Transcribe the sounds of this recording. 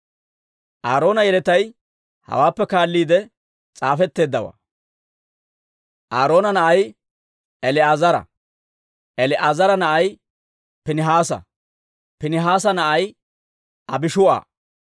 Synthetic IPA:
ʔaːɾo̞ːnɐjɛlɛt̪ɐj | hɐ̰waːpːɛkaːlːiːd̪ɛ | t͡sʼaːfɛt̪ːe̞ːd̪ːɐwa̰ː | ʔaːɾo̞ːnɐnɐʔɐj | ɛlɪaːzɐɾɐ̰ | ʔɛlɪʔazɐɾɐnɐʔɐj | pɪnɪɦaːsɐ̰ | pɪnɪɦaːs̬ɐnɐʔɐj | ʔɐbɪʃʊʔa̰ː

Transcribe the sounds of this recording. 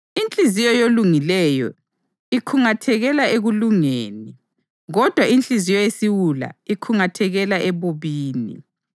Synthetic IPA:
int͡ɬʼizijɔjoluŋilɛjɔ̰ | ikʰuŋatʰɛɣɛlaeɣuluŋeni | ɣɔd̥ʱwaʔint͡ɬʼizijɔjesiwula̰ikʰuŋatʰɛɣɛlaʔɛβoβiːnḭ

